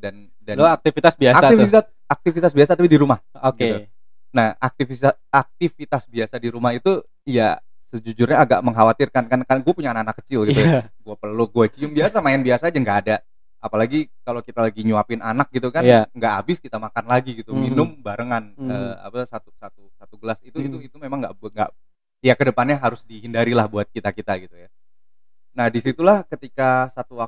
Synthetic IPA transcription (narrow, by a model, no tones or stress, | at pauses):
dan | dalak̚t̪ifit̪asbiaasaif | ak̚t̪ifit̪as̬biasat̪apidiɾumahoɡit̪u | naha̰k̚t̪ifi | ak̚t̪ifit̪asbiasadiɾumahit̪u | ija̰ | səd͡ʒud͡ʒʊrɲaːɡa̰ʔməŋɦawat̪ɪrkankankanɡuapuɲaːnakːanakːə̥t͡ʃɪlɡiuɡuapərluɡuat͡ʃiʊmbiasamaɛnbiasaːd͡ʒaŋɡaːda | apalaɡikalokit̪alaɡiɲuapɪnanak̚ɡit̪ukanŋɡaʔabɪskit̪amakanlaɡiɡit̪uminʊmbaɾəŋanəa̰pasat̪usat̪usat̪uɡəlasit̪uit̪uit̪umemaŋɡa̰ʔbŋɡa̰ʔ | jakədəpanɲaɦaɾʊsdiɦindaɾilahbuat̪̚kit̪akit̪aɡit̪uja | nahdisit̪ulahkət̪ikasat̪uwak